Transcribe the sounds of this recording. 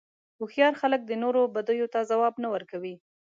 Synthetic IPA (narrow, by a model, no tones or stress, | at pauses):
ʊxjɑɾxalək̚d̪ənoɾobad̪ujot̪azawɑbnawəɾkawi